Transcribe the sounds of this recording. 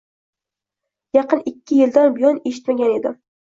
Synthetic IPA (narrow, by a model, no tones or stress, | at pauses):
jɑqɨnɪkʲːɪjɪld̪anbɪjɒneʃɪ̥t̪maɡʲane̞d̪ɪ